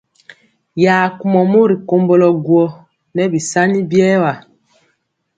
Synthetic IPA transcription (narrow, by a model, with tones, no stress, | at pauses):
jaː˨ku˨mɔ˨mo˦ɾi˨ko˨mbɔ˨lɔ˨ɡwɔ˨ | nɛ˦bi˨sa˦ni˦bjɛː˦wa˨